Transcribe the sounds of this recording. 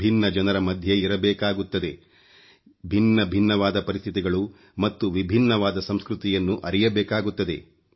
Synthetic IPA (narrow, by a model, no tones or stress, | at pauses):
bʱinːɐd͡ʒɐnɐɾɐmɐd̪ʱjeiɾɐbɛːkaːɡut̪ːɐd̪e̞ | bʱinːɐbʱinːɐʋaːd̪ɐpɐɾist̪ʰit̪iɡɐɭu | mɐt̪ːuʋibʱinːɐʋaːd̪ɐsɐmskɾut̪ijɐnːuʔɐɾijɐbɛːkaːɡut̪ːɐd̪e̞